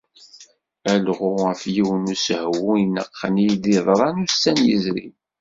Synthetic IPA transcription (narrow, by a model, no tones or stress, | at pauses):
ælʁʊʁəfjiwənushwujənːə̰qːənjd̪iðˤɾˤɑnusænjə̰zɾḭ